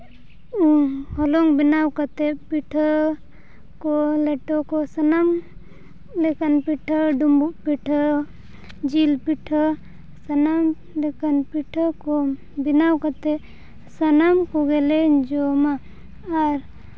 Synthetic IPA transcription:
uhɔlɔŋbinawkat̪ɛpiʈʰə | kɔlɛʈɔkɔsənam | lɛkanpiʈʰəɖumbuʔpiʈʰə | d͡ʒilpiʈʰə | sənam | lɛkanpiʈʰəkɔ | binawkat̪ɛ | sənamkɔɡɛlɛd͡ʒɔmaː | ɾ

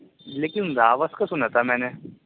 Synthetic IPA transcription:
leːkɪnzaːʋəskasʊnat̪ʰamɛːne

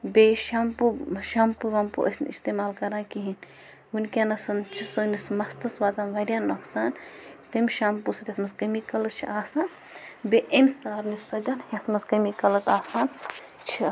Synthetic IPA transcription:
beːʃampuʃaːmpuʋɐmpṵʔɐ̰snḭst̪eːmaːlkɐɾãːnkiɦin | unkʲanɐsɐnt͡ʃʰisɨnismɐst̪ɐsʋaːt̪anʋɐɾʲjaːnːɐksaːnt̪ɐmʲʃaːmpusɐt̪jet̪ʰmɐskɐmikɐlɐt͡ʃʰiʔaːsaːn | beʔemʲsaːɾnist̪ɐd̪ɐnhet̪ʰmɐskɐmikɐlɐt̪aːsaːn | t͡ʃʰi

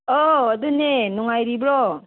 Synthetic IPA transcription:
ɔːdunenɔŋajɾibɾɔ

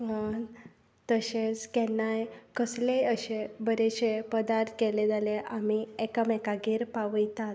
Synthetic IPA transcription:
ə | t̪əɕet͡skɛnajkəsleəɕebəɾeɕepəd̪aɾt̪kɛled͡zaleʔamiɛkamɛkaɡiːɾpaʋəjt̪at̪

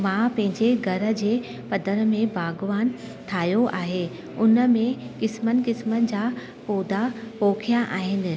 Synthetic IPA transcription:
mãːpɐ̃ɦɪ̃ɲd͡ʑeɡʱɐɾə̆d͡ʑeː | pɐd̪əɾmẽbaːɡʋaːn | t̪ʰaːjoʔaːɦe | ʊnə̆mẽkɪsmənɪ̆kɪsmənɪ̆d͡ʑaː | poːd̪apoːkʰijaʔaːɦɪnɪ̆

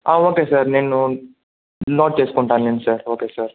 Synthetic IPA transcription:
aːoːkesəɾneːnu | nɔːʈ̚t͡ʃeːskoɳʈaːlensɐɾoːkesəɾ

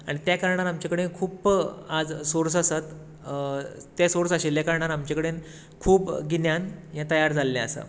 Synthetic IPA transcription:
aɽ̃it̪jakaɾɳ̃aɾamt͡ɕakəɽekʰuːpad͡zsoɾsasat̪ | t̪jasoɾsaɕeljakəɾɳ̃aɾamt͡ɕakəɽen | kʰuːpɡinjanjãt̪əjaɾd͡zalːẽəsa̰

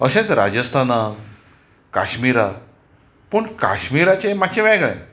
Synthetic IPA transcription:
əɕãt͡sɾa̰d͡ʑəst̪ʰana | ka̰ɕmiɾa | pəɳka̰ɕmiɾat͡ɕemat͡ɕẽʋɛ̃ɡɭɛ̰̃

